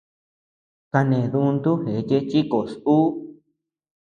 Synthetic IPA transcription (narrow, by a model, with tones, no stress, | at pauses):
ka˧nẽ˨ðũ˧nd̪u˦he˨˦t͡ʃe˦t͡ʃi˦ko˨su˦